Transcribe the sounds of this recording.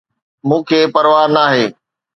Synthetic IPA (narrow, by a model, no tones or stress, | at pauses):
mũːkʰeːpɐɾʋaːɾnaːɦeː